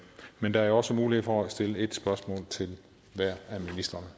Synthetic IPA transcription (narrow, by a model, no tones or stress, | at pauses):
mend̥ɑæɐɒ̽səmuːlihḛfɒæsd̥e̝ləe̝d̥sb̥ɶɐsmɔ̰ːlt͡sʰe̝l | ʋæɐ̰æminisd̥ɐnə